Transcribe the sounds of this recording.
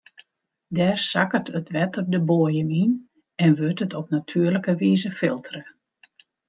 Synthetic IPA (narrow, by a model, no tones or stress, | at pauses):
dɛːrsakərtətʋɛtərdəboəjənin | ɛnʋøtətʰɔpnatʰyːərləkəʋiːzəfɪlˠtʰərə